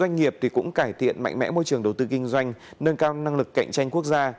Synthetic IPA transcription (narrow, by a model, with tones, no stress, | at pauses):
zwa˧jŋ̟ŋi˨˩əp̚t̪ʰi˨˩kʊ̰˧˥ŋ͡mkaː˧˩jt̪ʰḭ˧˨ənma̰˧˨jŋ̟mɛ̰˧˥mo˧jt͡ɕɨ˨˩əŋɗə˨˩wt̪ɨ˧kï˧ŋ̟zwa˧jŋ̟nəː˧nkaː˧wna˧ŋlɨ˨˩kːa̰˧˨jŋ̟t͡ɕa˧jŋ̟ku˦˥ək̚zaː˧